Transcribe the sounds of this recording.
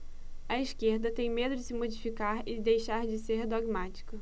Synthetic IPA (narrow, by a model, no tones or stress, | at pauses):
ɐiʃkeɾd̪ɐt̪ẽj̃med̪ʊd͡ʒɪsɪmod͡ʒifikaɾɪd̪ejʃaɾd͡ʒɪseɾd̪oɡmat͡ʃi̥kɐ